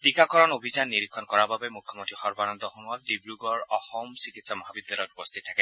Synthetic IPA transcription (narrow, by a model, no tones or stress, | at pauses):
tikakɔɹɔnobʱizanːiɹikʰːɔnkɔɹababɛmukʰːɔmont̪ɹixɔɹbanɔnd̪ɔxunɔldibɹuɡɔɹɔxɔmsikitsamɔɦabib̚dalɔjtupɔst̪ʰit̪ʰːakɛ